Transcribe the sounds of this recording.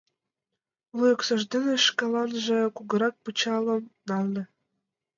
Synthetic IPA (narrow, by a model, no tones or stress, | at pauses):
lujoksɤ̆ʒd̪enĕʃkɑlɑnʒĕkuɡɤ̆ɾɑk̚put͡ɕɑlə̆mnɑlnĕ